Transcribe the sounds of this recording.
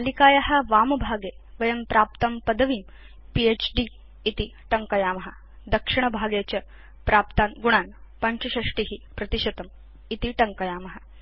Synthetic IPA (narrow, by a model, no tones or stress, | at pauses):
ɐlikaːjɐɦɐʋaːmɐbʱaːɡeːʋɐjɐmpɾaːp̚t̪ɐmpɐd̪ɐʋiːm | pieːt͡ʃɖi | it̪iʈɐŋkɐjaːmɐɦɐ | d̪ɐkʂiɳ̃ɐbʱaːɡet͡ɕɐ | pɾaːpt̪aːnɡuɳ̃aːnpɐɲt͡ʃɐʃɐʂʈiɦipɾɐt̪iʃɐt̪ɐm | it̪iʈɐŋkɐjaːmɐɦɐ